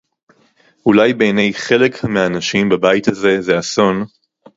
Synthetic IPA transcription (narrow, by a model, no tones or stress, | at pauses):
ulajbe̞jne̞jχe̞lekhameaːnaʃimbabajit̪haze̞zeaso̞n